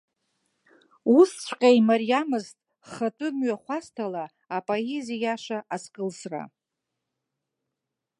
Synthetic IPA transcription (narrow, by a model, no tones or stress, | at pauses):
ust͡ɕʷʰqʲʼajmarijamɨztʼ | χatʼɨmɥaχʷastʰala | apʼoezijaʂaʔaskʼɨlsra̰